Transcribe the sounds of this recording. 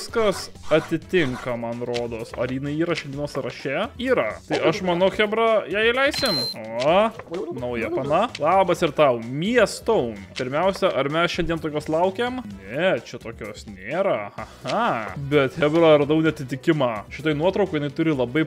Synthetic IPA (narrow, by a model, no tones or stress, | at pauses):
skɐs | ɐt̪ʲɪt̪ʲɪŋkɐmɐnɾoːd̪oːsɐɾjiːnɐɪiːɾɐʃʲɛnd̪ʲiɛnoːsɾɐʃʲɛiːɾɐt̪ɐɪʔɐʃmɐnɐʊxʲɛbɾɐjɛːɪlʲɛɪsʲt̪ʲeːmoː | nɐʊjɛpɐnɐlˠɑːbɐsɪɾt̪ɐʊmʲiɛst̪oʊnpʲɪɾʲmʲɛʊsʲɛʔɐɾmʲɛsʃɛnd̪ʲiɛnt̪oːkʲoːslˠɐʊkʲeːmnʲɛt͡ʃʲɛt̪oːkʲoːsnʲeːɾɐhɐhɐbʲɛt̪xʲɛbɾɐɾɐd̪ɐʊnʲɐt̪ʲɪt̪ʲɪkʲɪmɑːʃʲɪt̪oːɪnuɔt̪ɾɐʊkʊjɪnɐɪt̪ʊɾʲɪlˠɐbɐɪ